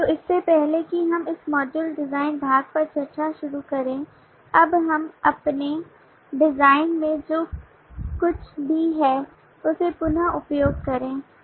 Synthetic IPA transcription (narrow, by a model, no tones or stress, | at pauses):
t̪oːɪsːepɛɦlekiɦɐmɪsmɔːd͡ʒəlɖɪzaːɪnbʱaːɡ̚pɐɾt͡ʃɐɾt͡ʃaʃʊɾukɐɾẽː | ɐbɦɐmɐpne | ɖɪzaːɪnmẽd͡ʒoː | kʊt͡ʃʰbʱiɦɛː | ʊsepʊnaʊpjoːɡ̚kɐɾẽː